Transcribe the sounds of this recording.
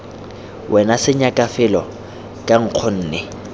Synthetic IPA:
wʔɛnasɪɲakʼafɪlɔ | kʼaŋ̩q͡χʰɔn̩ːnɛ

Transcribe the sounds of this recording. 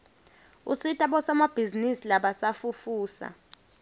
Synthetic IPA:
usitʼaɓɔsamab̥ʱizinisilaɓasafufuːsa̰

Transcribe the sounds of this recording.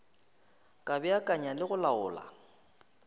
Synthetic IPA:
kʼabɛakʼaɲalɪɣʊlaʊ̰ːla̰

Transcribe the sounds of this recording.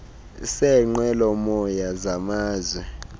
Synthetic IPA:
sɛŋ͡ǃwɛlɔmɔjazamaːzwɛ

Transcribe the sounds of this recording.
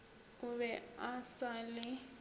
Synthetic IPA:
kuβɛasalɪ

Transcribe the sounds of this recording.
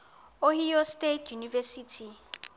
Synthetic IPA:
ohijɔstetʰjunivɛsiːtʰi

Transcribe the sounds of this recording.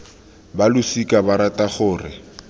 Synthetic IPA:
balʊsikʼabaɾatʼaχʊːrɪ

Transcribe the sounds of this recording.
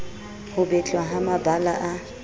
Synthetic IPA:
hʊbɛt͡ɬʼwaɦamabala̰ʔa

